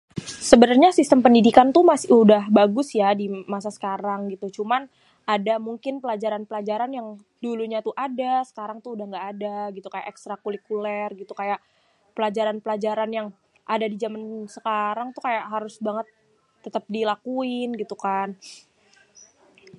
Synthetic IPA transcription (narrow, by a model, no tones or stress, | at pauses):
səbənarɲasist̪əmpəndidikant̪umasɪʔudahbaɡʊsjadimasasə̥kaɾaŋɡit̪ut͡ʃuman | adamuŋkɪnpəlad͡ʒaɾanpəlad͡ʒaɾanjaŋ | duluɲat̪uhadasə̥kaɾaŋt̪uudahŋɡaʔːdaɡit̪ukaja̰ʔɛkst̪ɾakulikulɛrɡit̪ukajaʔ | pəlad͡ʒaɾanpəlad͡ʒaɾanjaŋ | ʔadadid͡ʒamansəkaɾaŋt̪ukajaʔɦaɾʊsbaŋət̪ː | ət̪əp̚dilakuɪnɡit̪ukan